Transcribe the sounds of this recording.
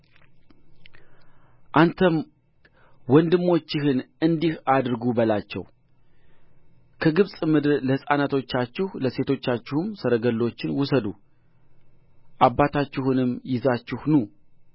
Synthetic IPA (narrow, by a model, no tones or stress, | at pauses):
ʔant̪ʰəm | wɔnd̪ɨmːo̞t͡ʃːɪhɨn | ɨnd̪ihad̪ɨɾɡubəlat͡ʃːɛ̰w | kʰəɡɨβsʼmɨd̪ɨɾləhɨsʼanat̪ʰo̞t͡ʃːat͡ʃːɪhləse̞t̪ʰo̞t͡ʃːat͡ʃːɪhɨmsəɾəɡəlːo̞t͡ʃːɪnwʊsəd̪u | ʔabːat̪ʰat͡ʃːɪhɨnɨmjɪzat͡ʃːɪhnu